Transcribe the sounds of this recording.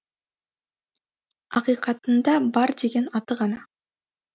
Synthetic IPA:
ɑqijqɑt̪ənd̪ɑbɑɾd̪e̞ɡʲe̞nɑt̪əʁɑnɑ

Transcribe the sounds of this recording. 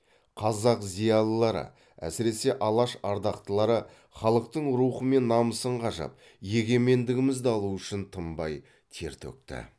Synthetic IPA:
qʰɑzɑqzijɑlˠəlˠɑɾə̰ | æ̰sɪɾe̞se̞ʔɑlˠɑʃɑɾd̪ɑqt̪əlˠɑɾə | χɑlˠəq̚t̪əɴɾuχəme̞nːɑməsəɴqʰɑʒɑ̰p̚ | je̞ɡʲe̞me̞nd̪ɪɡʲɪmɪzd̪ɑlˠuʏʃɪnt̪ʰəmbɑ̰j | t̪ʰe̞̰ɾt̪ʰɵ̰k̚t̪ɪ̰

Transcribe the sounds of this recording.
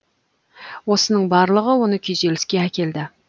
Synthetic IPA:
wo̞sənəɴbɑɾlˠəʁəwo̞nəkʲʰejze̞lɪskʲe̞ækʲe̞ld̪ɪ

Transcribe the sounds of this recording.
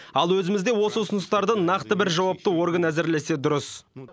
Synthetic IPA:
ɑlˠwɵzɪmɪzd̪e̞wo̞səʊsʊnəst̪ɑɾd̪ənɑqt̪əbɪɾʒɑwɑp̚t̪əwo̞ɾɡənæzɪɾle̞se̞d̪ʊɾəs

